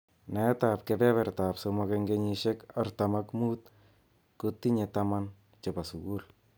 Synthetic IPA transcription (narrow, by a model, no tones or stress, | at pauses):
naɛtapkepɛβɛrtapsomɔkeŋɡeɲiʃekartamakmut̪̚ | kut̪ːiɲetaman | t͡ʃepasuɡul